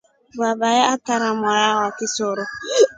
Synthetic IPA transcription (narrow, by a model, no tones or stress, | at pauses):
babajaataɾamɔjaɣakɪsʊɾʊ